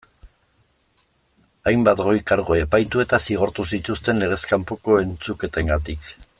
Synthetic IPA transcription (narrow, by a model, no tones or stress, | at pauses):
ajmbat̪ɡo̞jkaɾɣo̞e̞pajt̪ue̞t̪asiɣ̞o̞ɾt̪usit̪ust̪e̞nle̞ɣ̞e̞skampoko̞e̞nt͡suke̞t̪eŋɡat̪ik